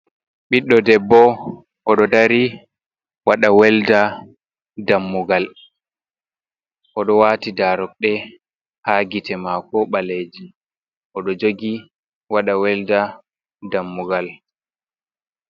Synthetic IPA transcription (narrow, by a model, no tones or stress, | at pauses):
ɓiɗːɔdɛbːɔ | ʔɔɗɔdaɾi | waɗawɛlda | damːuɡal | ʔɔɗɔwaːtidaɾɔk̚ɗɛ | haɡitɛmakɔɓaled͡ʒi | ʔɔɗɔd͡ʒoɡi | waɗawɛlda | damːuɡal